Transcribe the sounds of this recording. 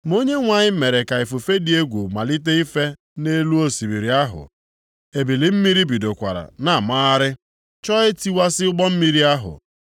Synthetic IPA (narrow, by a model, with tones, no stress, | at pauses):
m˦o˦ɲe˦ŋʷa˨ɲɪ˦me˨ɾe˨ka˨i˨fu˨fe˦di˨˦e˦ɡʷu˨ma˨li˦t̬e˦i˦fe˦ | ne˦lu˦o˦si˨bi˨ɾi˨a˦ɦʊ̰˨ | e˨bi˨li˨m̩˦mi˦ɾi˦bi˨do˨kʷa̰˨ɾa̰˨na˨maː˦a˦ɾɪ˦ | t͡ʃɔ˦ɪ˦ti˦wa˦sɪ˦ʊ˦ɡ͡bɔ˦m̩˦mi˦ɾi˦a˦ɦʊ̰˨